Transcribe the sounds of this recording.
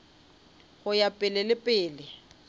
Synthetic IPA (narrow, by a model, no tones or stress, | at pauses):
ɣʊjapʼɪlɪlɪpʼɪːlɪ